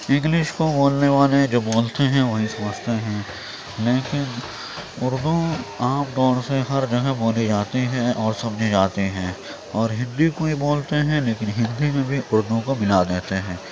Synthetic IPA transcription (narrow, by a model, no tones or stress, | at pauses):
ɪ̃ŋɡlɪʃkoboːlneʋaːled͡ʒoːboːlt̪eɦɛ̃ʋɐɦĩsɐməd͡ʒʱt̪eɦɛ̃ː | leːkɪn | ʊɾd̪õaːpd̪ɔːɽseɦɐɾd͡ʒɐɡəboːlid͡ʒaːt̪iɦɛ̃ʔɔːɾsɐmd͡ʒʱid͡ʒaːt̪iɦɛ̃ː | ɔːɾɦɪ̃nd̪ikoiboːlt̪eɦɛ̃leːkɪnɦɪ̃nd̪imẽbʱiʔʊɾd̪õkomɪlad̪eːt̪eɦɛ̃ː